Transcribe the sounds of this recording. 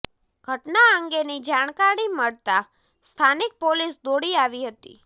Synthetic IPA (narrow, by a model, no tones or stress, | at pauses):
ɡ̥ʱəʈnaəŋɡenid͡ʒaɽ̃kaɽiməɭt̪a | st̪ʰanik̚polisd̪oɽiaʋiɦət̪ḭ